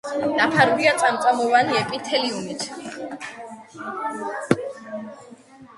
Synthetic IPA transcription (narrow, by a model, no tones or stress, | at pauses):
napʰaɾɡiat̪sʼamt̪sʼamɔvaniɛpʼit̪ʰɛliumit̪ʰ